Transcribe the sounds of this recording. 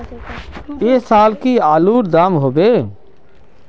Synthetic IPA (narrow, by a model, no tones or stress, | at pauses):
eːsaːlkiaːluːɾd̪aːmɦoːbeː